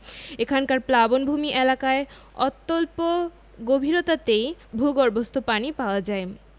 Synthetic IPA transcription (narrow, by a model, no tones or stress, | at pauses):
ekʰankaɾplabonbʱumiʔelakae | ɔ̰t̪ːolpo | ɡobʱiɾot̪at̪ejbʱuɡoɾbost̪ʰupanipaoad͡ʑae